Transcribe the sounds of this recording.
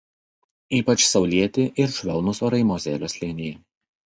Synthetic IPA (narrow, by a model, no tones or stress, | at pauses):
iːpɐt͡ʃsɒʊlʲiɛt̪ʲɪʔɪɾʃʲʋʲɛlˠnʊsoːɾɐɪmoːzʲeːlʲoːsʲlʲɪnʲɪjɛ